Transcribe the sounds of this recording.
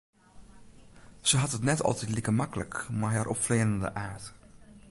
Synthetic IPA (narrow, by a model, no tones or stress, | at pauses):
z̥əɦɑtətnɛtɑ̰lˠtɛtlikəmɑkələ̰kmaɹɦaɾʔɔ̰pfleːləndə̰ʔaːɹt